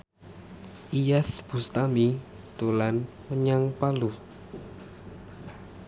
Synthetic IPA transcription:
ʔijaθb̥ṳst̪ami | t̪ulan | məɲaŋpalu

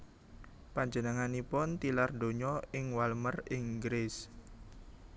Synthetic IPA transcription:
paɲd͡ʒənəŋanipʊnt̪ilardoɲɔɪŋwalmərɪŋɡɾɪs

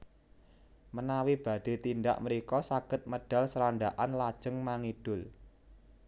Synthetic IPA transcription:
mənawib̥ä̤d̪̥e̤t̪ind̪a̰ʔməɾikɔsaɡ̥ət̪̚məɖ̥a̤lsəɾanɖaʔanlad̥ʒ̥ə̤ŋmaŋid̥ʊ̤l

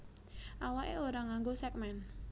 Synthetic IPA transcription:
ʔawaʔḛoɾaŋaŋɡosɛk̚mɛn

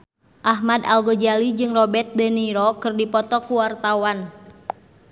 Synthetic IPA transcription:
ʔaɦmadalɡod͡ʒalid͡ʒɨŋrɔbɛrt̪̚dɛniɾɔkɨrdipɔt̪ɔkuwart̪awan

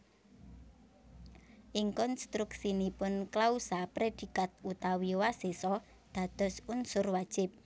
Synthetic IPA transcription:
ʔɪŋkɔnst̪ɾuksinipʊnklausapɾed̪̥i̤kat̪̚ut̪awiwasesɔ | d̪̥ä̤d̪̥ɔ̤sunsʊrwad̥ʒ̥ɪ̤p̚

